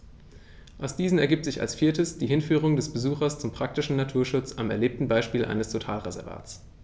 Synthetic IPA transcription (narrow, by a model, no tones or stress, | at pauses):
ʔaʊsd̥iːzn̩ɛɐɡiːp̚tz̥ɪça̰lsfiːɐtəsd̥iːɦɪnfyːʁ̞ʊŋdɛsb̥əzuːxɐst͡sʊmpʁ̥ak̚tɪʃn̩natʰuːɐʃʊt͡sa̰mɛ̰ɐleːp̚tn̩baɪʃpiːlʔa̰ɪnəstʰotʰaːlʁezɛɐva̰ːtt͡s